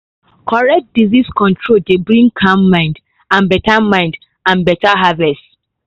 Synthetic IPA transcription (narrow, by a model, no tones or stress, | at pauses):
kʰɔɹɛk̚t̚diziskɔ̃ntʰɹoldebɹĩŋɡkʰãmːãɪ̃nd | ãnbɛtamãɪ̃nd | ãnbɛtaɦavɛst